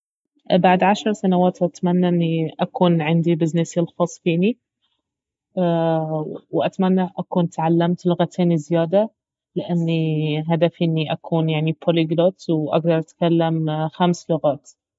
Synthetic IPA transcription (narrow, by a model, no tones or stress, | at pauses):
baʕd̪ʕaʃɾˤsanawaːt̪ʔat̪manːaʔɪnːiʔakuːnʕɪnd̪ibɪznɪsɪlxɑːsˤfiːni | wʔat̪manːaʔakuːnt̪ʕalːamt̪lʊɣat̪ʰeːnizɪjaːd̪a | lɪʔanːiɦad̪afʔɪnːiʔakuːnjaʕnipʰoliɡɾat̪wʔa̰ɡd̪ɑɾˤʔat̪kalːamxamslʊɣaːt̪